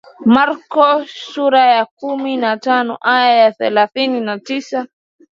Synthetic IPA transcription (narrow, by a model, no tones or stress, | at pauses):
maɾkɔsuɾajakuminatanɔ̰ʔajajaθɛlaθininatisa